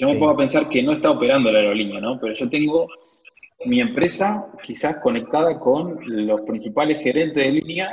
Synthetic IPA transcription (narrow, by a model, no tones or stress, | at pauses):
ʒomepaɣape̞nsaɾkeno̞est̪aopeɾand̪olaɾolinjano̞peɾoʒo̞t̪e̞ŋɡo̞ | mie̞mpɾesakisasko̞ne̞k̚t̪aðako̞nlo̞spɾinsipalesxe̞ɾe̞nt̪eðelinja